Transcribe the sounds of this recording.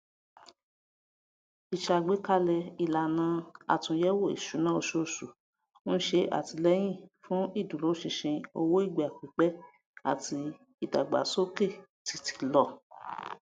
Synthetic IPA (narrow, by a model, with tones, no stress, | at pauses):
i˨ʃa˨ɡ͡be˨˦ka˦˧lɛ˧i˨la˨nã˨˧a̰˨tũ˧jɛ˦wo˦˨ḭ˨ʃu˨˦nã˦o˧ʃo˦˨sũ˨˦ | n̩˦ʃe˧ʔa̰˦˨ti˧lɛ˦j̃ĩ˦˨fũ˦i˦˨dũ˨lo˨˦ʃĩ˧ʃĩ˧o˧wo˦i˦˨ɡ͡ba˨k͡pi˨˦k͡pɛ˦ | a̰˦˨ti˧ | i˨da̰˨ɡ͡ba̰˨so˦ke˦˨ti˧˦ti̥˧lɔ˧˨